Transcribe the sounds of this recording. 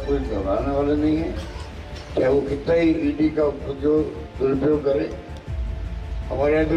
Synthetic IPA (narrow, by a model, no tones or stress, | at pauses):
koːid̪ʱɐbaːneʋalenɐɦĩɦɛ̃ | t͡ʃaɦɛʋokɪt̪naɦiiːɖikaʊpd͡ʒoː | d̪ʊɾpjoːɡ̚kɐɾẽː | hɐmaːɾeãd̪